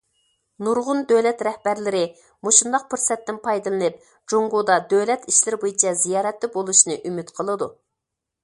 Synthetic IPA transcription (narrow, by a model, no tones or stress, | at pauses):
nuɾʁʊnd̪ølɛt̪ɾɛhbæɾlɪɾɪ | moʃund̪ɑq̚pɪɾsɛt̪ːɪnpʰɑjd̪ɨlˠɨnɨp̚ | d͡ʒoŋɡud̪ɑd̪øwlɛt̪iʃlɪɾɪbojit͡ʃʰɛzijɑːɾɛt̪lɪbolˠuʃnɨʔymɪt̪qʰəlˠɨd̪ṵ